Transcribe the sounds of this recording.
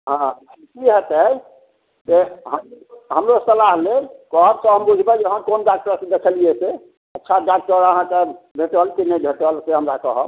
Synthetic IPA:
ɦã | kiɦət̪ə | d͡ʒeɦəmɦəmɾosəlaɦlelkɔɦəɾt̪ɔɦəmbud͡ʒʱbɛd͡ʒeɦə̃konɖak̚ʈəɾsẽd̪ekʰəliese | ətːʃʰaɖak̚ʈəɾəɦãkebʱeʈəlkinəbʱeʈəlseɦəmɾakɔɦəb

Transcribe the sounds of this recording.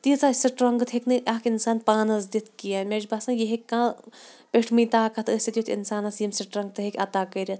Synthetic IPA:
t̪it͡saːsɐʈɾɐŋɡt̪ʰɦeknɨʔakinsaːnpaːnɐzd̪it̪ʰkijaːmʲed͡ʒbaːsãjeɦekʲːãː | pʲeʈʰmit̪aːkʰɐt̪ʰəːsʲet̪jut̪ʰḭnsaːnɐsjɐmsiʈɾɐŋɡ̚t̪ɨɦekʲɐt̪aːkəːɾʲɐt̪ʰ

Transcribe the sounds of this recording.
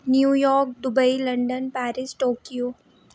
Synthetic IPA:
njuːjɔːɾk̚ɖʊbailɐ̃ɳɖənpæːɾɪsʈoːkjoː

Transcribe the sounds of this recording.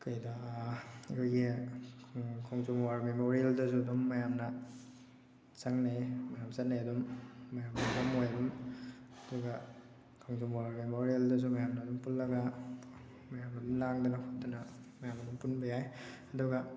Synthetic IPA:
kʰɯjda | ɐkʰojɡi | kʰaŋzumwaɾmemoɾieldɐzuɐdumːɐjamnɐ | sɐŋnemɐjamzɐtnːeɐdumːɐjamdabamojɐdumɐduɡɐ | kʰaŋzumwaɾmemoɾieldɐz̬umɐjamnɐːdumpulːɐɡa | mɐjamnadumlaŋdɐnɐkʰodɐnɐmɐjamɐdumpunbɐjajɐduɡɐ

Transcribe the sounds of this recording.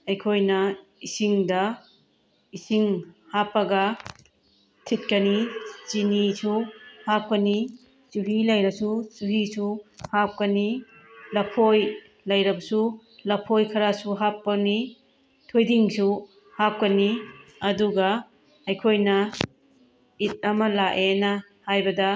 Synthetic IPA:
ɐjkʰojnɐisiŋdɐ | isiŋhapːɐɡɐ | tʰit̚kɐnit͡ʃinisuhap̚kɐni | t͡ʃuɦilɐjɾɐsut͡ʃuɦisuhap̚kɐni | lɐpʰoj | lɐjɾɐbɐsu | lɐpʰojkʰɐɾasuɦapːɐni | tʰojdiŋsu | hap̚kɐniɐduɡɐ | ɐjkʰojnɐ | it̚ɐmɐlaʔenɐ | hajbɐdɐ

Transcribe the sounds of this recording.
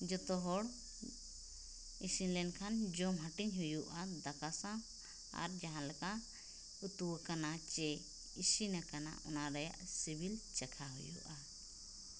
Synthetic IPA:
d͡ʒɔt̪ɔɦɔɽ | isinlɛnkʰand͡ʒɔmɦaʈiɲɦujuʔad̪akasã | a̰ɾd͡ʒaɦãlɛka | ut̪uwkanat͡ʃɛ | isinakana̰ʔɔnaɾɛja̰ʔsibʱilt͡ʃɛkʰaɦujṵʔa

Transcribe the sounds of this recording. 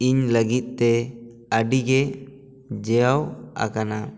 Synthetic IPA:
iɲləɡit̪̚ˀt̪ɛ | əɖiɡɛ | d͡ʒɛjawa̰kana

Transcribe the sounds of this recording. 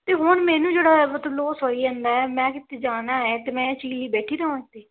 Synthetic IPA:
t̪eːɦoːɳmɛːnũːd͡ʒeːɽaːət̪ːloːsoːiːɛ̃ːnd̪aːɛːmɛ̃ːkɪt̪ːeːd͡ʒaːnaːɛːt̪eːmɛ̃ːt͡ʃiːliːbɛːʈʰiːɾəõːɪt̪ːiː

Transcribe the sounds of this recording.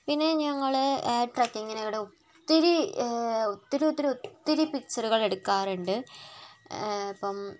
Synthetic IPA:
pinːe̞ɲɐŋːɐɭeːʈrɐkːiŋːɐneʋiɽeuttt̪ːiɾi | ut̪ːiɾuut̪ːiɾuut̪ːiɾipikt͡ɕːɐruɣɐɭe̞ɽukːaːruɳɖɨ | ɐpːɐm

